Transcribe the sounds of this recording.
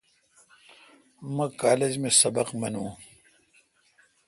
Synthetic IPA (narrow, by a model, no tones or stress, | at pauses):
mɐ̃kaːled͡ʑmesɐbɐqmɐnũː